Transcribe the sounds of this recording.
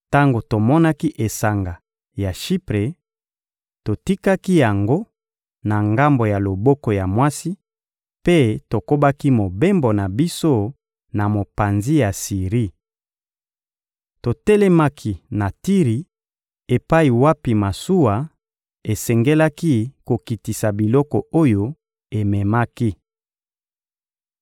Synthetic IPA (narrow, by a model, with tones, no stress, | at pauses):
ta˦ŋɡo˨to˨mɔ˦na˦ki˦ʔe˨sa˨ŋɡa˨ | ja˨ʃi˦pʁe˨ | to˨ti˦ka˦ki˦ja˨ŋɡo˦ | na˨ŋɡa˦mbo˨ja˨lo˨bɔ˦ko˨ja˨mwa˦si˦ | pe˦to˨ko˦ba˦ki˦mo˨be˦mbo˨na˨bi˦so˦ | na˨mo˨pa˨nzi˦ja˨si˨ʁi˦ | to˨tɛ˦lɛ˦ma˦kʰi˦˨na˨ti˦ʁi˨ | e˨pa˦i˨wa˦pi˨ma˨su˦wa˨ | e˨sɛ˨ŋɡe˦la˦ki˦ko˨ki˨ti˨sa˨bi˨lɔ˦kɔ˨o˦jo˦ | e˨mɛ˨ma˦ki˦